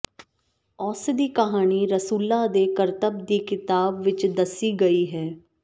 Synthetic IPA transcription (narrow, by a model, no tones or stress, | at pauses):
ɔːsd̪iːkəɦaːniːɾəsuːlaːd̪eːkəɾt̪əb̚d̪iːkɪt̪aːbʋɪt͡ʃd̪əsiːɡəiːɦɛː